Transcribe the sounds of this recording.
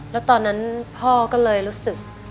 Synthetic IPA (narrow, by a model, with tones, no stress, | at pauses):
lɛː˦˥wt̪ɔː˧nːa˦˥npʰɔː˥˩kɔː˥˩lɤː˧jɾuː˦˥sɯ˨˩k̚